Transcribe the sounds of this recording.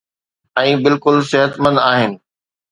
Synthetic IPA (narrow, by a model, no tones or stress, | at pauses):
ɛ̃ːbɪlkʊlsɪɦət̪mə̃nd̪aːɦɪnɪ̆